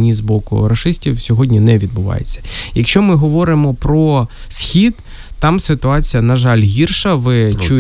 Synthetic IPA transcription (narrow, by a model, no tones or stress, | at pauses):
nʲizbɔkʊ̰ɾɐʃɪsʲtʲiwsʲɔɦɔdʲnʲinɛʋʲid̪̚bʊʋɑ̰jḛt͡sʲːɐ̥jɐkʃt͡ʃɔmɪɦɔʋɔɾɪmɔpɾɔ | sʲxʲid̪ | t̪ɑmsɪt̪ʊɑt͡sʲijɐnɐʒɑlʲɦʲirʃɐʋɪt͡ʃu